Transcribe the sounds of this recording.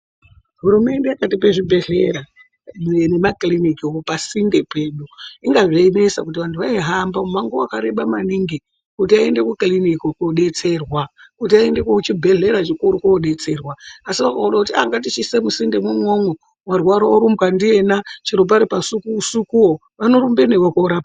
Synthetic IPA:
ɦuɾume̞ndejakatip̬e̞ʐibʱe̞ɮe̞ɾa | mne̞maklinikioopasinde̞pe̞ɗuiŋɡaʐeimesakut̬iʋantʰuʋaiɦambaumaŋɡowakaɾeɓamaniŋɡi | kutiaende̞kuklinikokoɗe̞t͡se̞rwakut̬iaendekot͡ʃibʱe̞ɮe̞ɾat͡ʃikuɾukoɗe̞t͡se̞ːrwaːsiʋakauɗakutia̰ŋɡatit͡ʃisemusinde̞mumwomo | mwarwaɾaoɾumbɣandie̞nat͡ʃiɾop̬aɾipasukuusukuo | ʋano̞ɾumbenewokoɾaːpa

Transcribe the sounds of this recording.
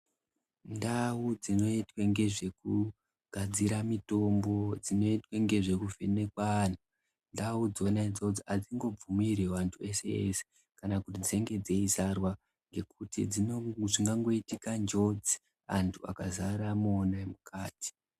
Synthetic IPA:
ndaud͡zino̞itweŋɡe̞ʐe̞ku | ɡ̥ʱad͡ziɾamito̞mbo̞d͡zino̞itweŋɡe̞ʐe̞kuvʱene̞kwan̤a | ndaud͡zonaid͡zoud͡ziad͡ziŋɡo̞b͡vumiɾeʋantʰue̞se̞ḛse̥ | kanakutid͡zieŋɡe̞d͡zeizarwa | ŋɡe̞kutid͡ziʐiŋɡaŋɡo̞itikand͡ʒo̞d͡zi | antʰuakazaɾamonamukʰaːti̥

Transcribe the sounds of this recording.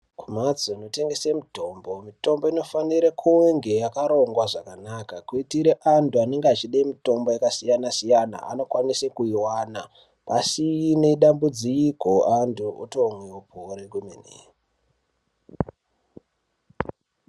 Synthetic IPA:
kumat͡sono̞te̞ŋɡe̞semito̞mbo̞mito̞mbo̞ino̞faniɾekʰuweŋɡe̞jakaɾo̞ŋɡwaʐakanakakuitiɾeʔantʰuane̞ŋɡat͡ʃiɗaimito̞mbo̞jakasijanasijana̰ʔa̰no̞kwanisekuiwaːna | pasineɗambud͡ziikoʔantʰuṵtomweopʰoɾeɡumḛnḛ

